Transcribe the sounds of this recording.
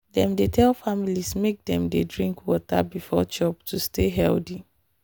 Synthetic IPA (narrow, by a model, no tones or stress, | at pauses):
dɛ̃mdetʰɛlfamilismek̚dɛ̃mdedɹĩŋkwɔta̰bifɔt͡ʃɔp̚tʰustʰeɦɛldi